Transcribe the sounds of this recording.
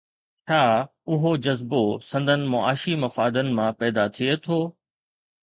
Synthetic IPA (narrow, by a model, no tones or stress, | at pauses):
t͡ɕʰaː | ʊɦod͡ʑɐzbosɐ̃nd̪ʱənɪ̆mʊa̰ːʃimɐfaːd̪ənɪ̆mãpɛːd̪at̪ʰiet̪ʰoː